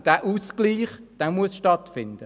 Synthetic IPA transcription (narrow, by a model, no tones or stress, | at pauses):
d̥æːʔuskliːχd̪̥ɛːmuəsʃtɑtfɪndə